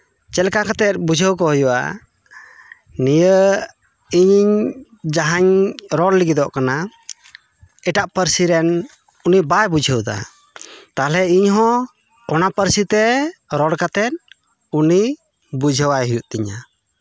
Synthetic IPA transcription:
t͡ʃɛlkakat̪ɛt̪̚bud͡ʒʱəwkɔɦəjuʔa̰ | nijə | iɲiɲ | d͡ʒaɦaɲɾɔɽliɡid̪ɔʔkana | ɛʈaʔpəɾsiɾɛn | unibajbud͡ʒʱəwd̪a̰ | t̪alɛiɲɦɔ̃ | ɔnapəɾsit̪ɛɾɔɽkat̪ɛt̪̚ | uni | bud͡ʒʱəwajɦujuʔt̪iɲa

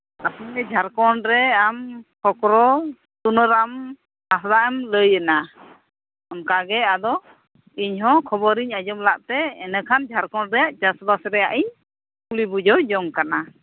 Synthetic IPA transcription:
ap̪ɔmɛd͡ʒʱaɾkɔɳɖɾɛamkɔkɾɔ | t̪unɔɾam | hasd̪aʔɛmləjɛna | ɔnkaɡɛad̪ɔ | iɲɦɔ̃kʰɔbɔɾiɲad͡ʒɔmlaʔt̪ɛɛnɛkʰand͡ʒʱaɾkɔɳɾɛjaʔt͡ʃasbasɾɛjaʔiɲ | kulibud͡ʒɔd͡ʒɔŋkana

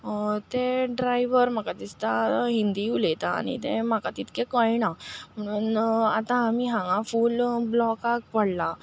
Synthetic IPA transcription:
t̪eɖɾajʋəɾm̤akat̪ist̪aɦind̪iulet̪aa̰ñḭt̪emakat̪it̪kẽkəjnam̤əɽ̃uːnat̪ãːmiɦãŋãfuːlblɔkak̚pəɽla

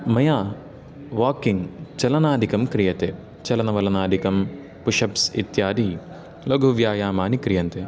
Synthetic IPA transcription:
mɐjaː | ʋaːkiŋɡt͡ʃɐlɐnaːd̪ʱikɐmkɾijɐt̪eː | t͡ʃɐlɐnɐʋɐlɐnaːd̪ʱikɐm | puʂɐpsḭt̪jaːd̪i | loɡʱuʋjaːjaːmaːnikɾijɐnt̪eː

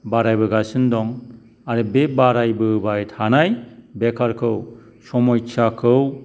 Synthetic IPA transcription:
baɾajbɯɡasɯndɔŋ | aɾɯbebaɾajbɯbajtʰanajbekʰaɾkʰɯw | sɔmɔjt͡ʃʰakʰɯw

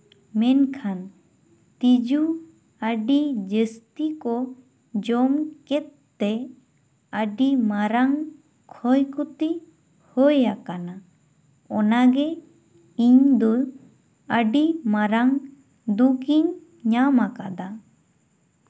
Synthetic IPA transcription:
mɛnkʰan | t̪id͡ʒu | əɖid͡ʒəst̪ikɔ | d͡ʒɔmkɛt̪ːɛ | əɖimaɾaŋ | kʰɔjkɔt̪i | həjakana | ɔnaɡɛ | iɲd̪ɔ | əɖimaɾaŋ | d̪ukiɲ | ɲamakad̪a

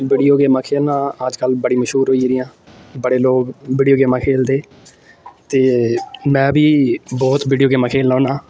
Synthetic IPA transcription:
ʋiːɖijoːɡeːmãːkʰeːlnãːəd͡ʒkəlbəɽiːməʃɦuːɾɦoːiːɾɪjãː | bəɽeːloːɡʋiːɖijoːɡeːmãːkʰeːld̪eː | t̪eːmɛ̃ːbiːbɔːt̪ʋiːɖijoːɡeːmãːkʰeːlːãːnãː

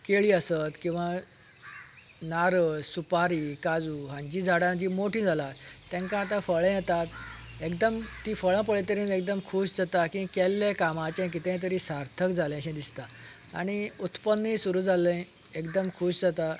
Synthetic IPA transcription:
keɭiːəsət̪kĩw̃ʋa | naɾəsupaɾiːkad͡zuːɦãɲd͡ʑiːd͡zʱaɽãd͡ʑiːmoʈʰĩːd͡zʱalaːɛ̃ŋkãːt̪ãfəɭə̃jet̪at̪ | ekd̪əmt̪iːfəɭãp̬əɭet̪əɾĩnek̚d̪əmkʰuːɕd͡zat̪akĩkɛlːakamãt͡ɕãk̬it̪ɛ̃t̪̬əɾisaɾt̪ʰəkd͡zʱalẽɕẽd̪ist̪a | a̰ɽ̃iut̪pənːĩsuɾuːd͡zʱalə̃ | ekd̪əmkʰuːɕd͡zat̪a

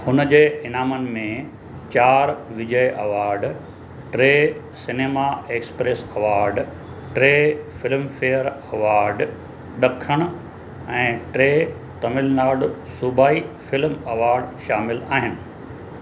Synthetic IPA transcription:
hʊnəd͡ʑeːɪnaːmənɪ̆mẽ | t͡ɕaːɾʋɪd͡ʑəjʔɐʋaːɾɖ | ʈɾeː | sɪneːmaeːkspɾeːsɐʋaːɾɖ | ʈɾeːfɪlmfeːəɾɐʋaːɾɖ | ɗɐkʰəɽ̃ʊ̆ | ɛ̃ːʈɾeː | t̪ɐmɪlnaːɖʊsubaːifɪlmɐʋaːɾɖʃaːmɪlaːɦɪnɪ̆

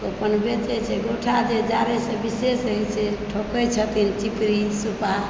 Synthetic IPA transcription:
opənbet͡ʃɛt͡ʃʰɛɡoʈʰad͡ʒed͡ʒaɾesẽbisesəjt͡ʃʰɛʈʰokəjt͡ʃʰət̪int͡ʃipɾisupa

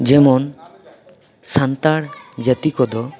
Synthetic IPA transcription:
d͡ʑemon | sant̪aɽd͡ʑat̪ikod̪o

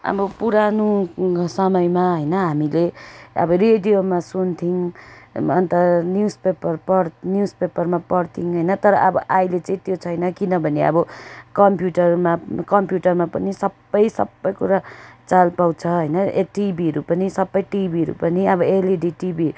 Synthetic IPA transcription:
ʌ̰bʌpuɾanusʌmʌjmaɦʌjnʌɦamileʌ̰bʌreɖijomasunt̪ʰiŋ | ʌnt̪ʌnjuspepʌrpʌɾnjuspepʌrmapʌɽt̪ʰiŋɦʌjnʌt̪ʌɾʌʔʌbʌʔajlet͡sʌĩt̪jot͡sʰʌjnʌkinʌbʱʌneʌ̰bʌkʌmpjuʈʌrmakʌmpjuʈʌrmapʌnisʌbːʌjsʌ̰bːʌjkuɾat͡salpaw̃t͡sʰʌɦʌjnʌeʈibiɦʌɾupʌnisʌbːʌjʈibʱiɦʌɾṵpʌniʌbʌeleɖiʈibi

